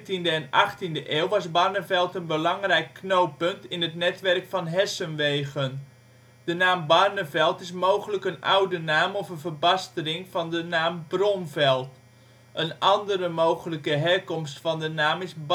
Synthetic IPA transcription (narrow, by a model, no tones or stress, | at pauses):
tindəɛnɑχtindəʔeːwˠʋɑsbɑrnəvɛlˠtənbəlɑŋrɛjkːnowpɵntɪnətnɛtʋɛrkfɑnɦɛsənʋejɣən | d̥ənaːmbɑrnəvɛlˠtɪsmowχələkənʔa̰wdənaːmɔfənvərbɑstərɪŋvɑndənaːmbrɔnvɛlˠt | ʔənʔɑndəɾəmowχələkəɦɛrkɔmstfɑndənaːmɪsb